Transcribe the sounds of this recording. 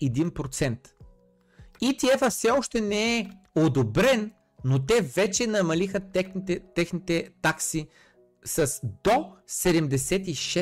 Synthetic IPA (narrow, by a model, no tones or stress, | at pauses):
ɛd̪inpɾot̪sɛnt̪ | it̪iɛfəfsɛɔʃt̪ɛnɛɛ | od̪obɾɛnː | ot̪ɛvɛt͡ʃɛnɐmɐlixət̪ɛɛt̪ɛxnit̪ɛt̪aksi | sɐsd̪osɛd̪ɛmd̪ɛsɛt̪iʃɛ